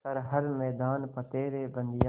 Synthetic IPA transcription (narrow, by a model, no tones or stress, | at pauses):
ɐɾɦɐɾmɛːd̪aːnpɐt̪eːɾeːbɐ̃nd̪ɪja